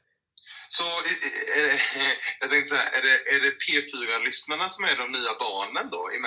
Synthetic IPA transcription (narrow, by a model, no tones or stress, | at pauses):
sɔæɖɛjɑːɡt̪ɛŋkt̪əsahæ̰ɾʔæ̰ɖɛʔæɖɛpʰeːfyːɾalʏsnaɳasɔmæɖɔmnyːabɑːɳənd̪ɔ̰ɪ̰m